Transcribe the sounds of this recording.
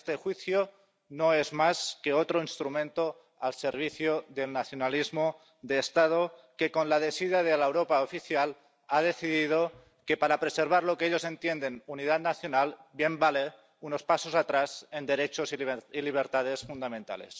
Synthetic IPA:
st̪exwiθjo | noezmaskeot̪ɾoinst̪ɾumẽ̞nt̪o | alseɾβ̞iθjoðelnaθjonalizmo | ðeːst̪að̞okekonlaðesiðaðelaewɾopaofiθjal | að̞e̞θiðið̞o | kepaɾapɾeseɾβ̞aɾlokeeʎose̞nt̪jend̪enunið̞at̪naθjonalbje̞mbale | unospasosat̪ɾaze̞nd̪eɾet͡ʃosiiliβ̞eɾt̪að̞esfund̪amẽnt̪a̰lḛs

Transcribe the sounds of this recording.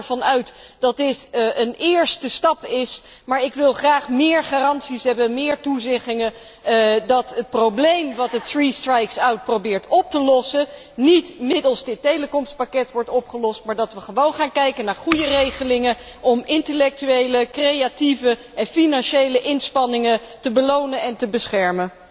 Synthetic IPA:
ɹvɑnœɥtd̥ɑt̚dɪtʔənɪːɹstəstɑpɪsmaːɹɪkʋɪlˠχraːχmɪːɹχaːrɑntsisɦɛbəmɪːɹtuzɛχɪŋə | dɑtət̚prowblejmʋɑtətθristrajksawt̚prowbɪːɹtɔp̚təlɔsə | nitmɪdəlˠsdɪtːejləkɔmst̚pakɛtʋɔɹtɔpχəlɔstmaːɹdɑtʋəχəʋownχaːnkɛjkənaːɹχujərejχəlɪŋəɔmɪntəlɛk̚tyejləkrejativə | ɛnfinɑnʃejləʔɪnspɑnɪŋə | təbəlownənɛntəbəsχɛɹmə

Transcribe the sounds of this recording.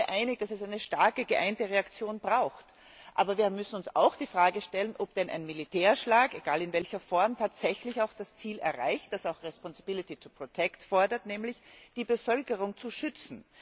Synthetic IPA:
əʔaɪnɪk̚d̥asɛsaɪnəʃtaɐkəɡəʔaɪntəʁeakt͡sjoːnbʁaʊxt | ʔa̰ːbɐviːɐmʏsn̩ʊnsa̰ʊxd̥iːfʁ̥aːɡəʃtɛlənʔɔp̚d̥ɛnʔa̰ɪnmilitʰɛːɐʃlaːkeɡ̥aːlɪnvɛlçɐfɔɐmtʰaːtz̥ɛçlɪçaʊxd̥ast͡siːlɛ̰ɐʁaɪçt̚d̥asaʊxʁɛspɔnsɪb̥ɪlɪtit͡supʁ̥otʰɛktfɔɐdɐtnɛːmlɪçd̥iːbəfœlkəʁʊŋt͡suʃʏt͡sn̩

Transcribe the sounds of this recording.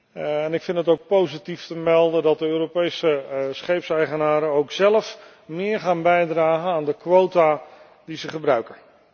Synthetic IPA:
ɛnɪkfɪntətowk̚powzitiftəmɛlˠdəndɑt̚dəøːropejsəsχejpsɛjχənaːɾəowksɛləf | mɪːɹχaːnbɛjdraːχənaːndəkʋowta | dizəχəbrœɥkən

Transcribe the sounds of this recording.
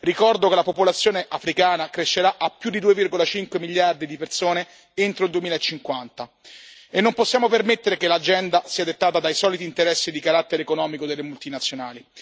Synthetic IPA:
rikɔrd̪okelapopolat̪sːjoːneʔafɾikaːnakɾeʃːeɾaʔapːjud̪id̪uːevirɡolat͡ʃiŋkwemiljard̪id̪ipersoːne | ent̪ɾoild̪uemiːlaet͡ʃːiŋkwant̪a | enːomposːjaːmopermet̪ːeɾekelad͡ʒɛnd̪asiːad̪et̪ːaːt̪ad̪ajsɔːlit̪iːnt̪eɾɛsːid̪ikaɾat̪ːeɾekonɔːmikod̪elːemult̪inat̪sːjonaːli

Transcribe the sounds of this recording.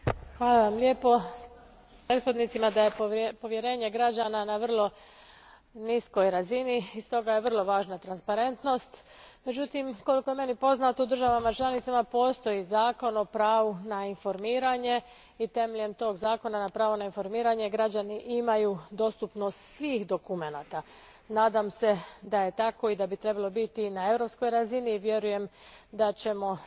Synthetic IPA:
xʋaːlˠaʋamlʲje̞ːpo̞ | pɾet̪xo̞d̪nit̪simad̪aje̞po̞ʋje̞ɾe̞ːɲe̞ɡɾad͡ʑaːnanaʋr̩lˠo̞ | nisko̞jɾaziniist̪o̞ɡaje̞ʋr̩lˠo̞ʋaːʒnat̪ɾanspaɾe̞nt̪no̞st̪me̞d͡ʑut̪imko̞liko̞je̞me̞nipo̞znat̪oud̪r̩ʒaʋamat͡ʃlˠanit̪samapo̞ːst̪o̞jizaːko̞no̞pɾaːʋunainfo̞ɾmiːɾaɲe̞ | it̪e̞meʎe̞mt̪o̞ːɡzaːko̞nanapɾaːʋonainfo̞ɾmiːɾaɲe̞ɡɾad͡ʑaniʔimajud̪o̞st̪upno̞st̪sʋiːxd̪o̞kume̞naːt̪a | naːd̪amse̞d̪aje̞t̪ako̞id̪abit̪ɾe̞balˠo̞bit̪inae̞vɾo̞psko̞jɾaziniʋje̞ɾuje̞md̪at͡ɕe̞mo̞

